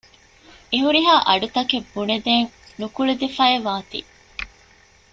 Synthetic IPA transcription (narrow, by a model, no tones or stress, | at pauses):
eɦuɾiɦaːʔɐɖut̪ɐkebːuned̪eːŋnukuɭud̪ifɐeʋaːt̪ḭ